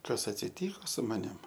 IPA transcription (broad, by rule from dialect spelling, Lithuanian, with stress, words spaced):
ˈkɐs ɐtʲsʲɪˈtʲiːkoː sʊ mɐˈnʲɪm